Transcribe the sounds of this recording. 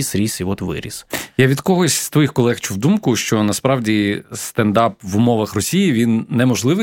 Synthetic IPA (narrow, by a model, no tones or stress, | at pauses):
isɾʲisiɔt̪ʋɪ̰ɾʲḭsjaʋʲid̪kɔɦɔsʲst̪ʋɔjixkɔlˠɛxt͡ʃuwd̪umkʊʃt͡ʃɔnɐspɾɑʋdʲist̪end̪ɑpʋʊmɔʋɐxrɔsʲijiʋʲinːɛmɔʒlˠɪʋɨ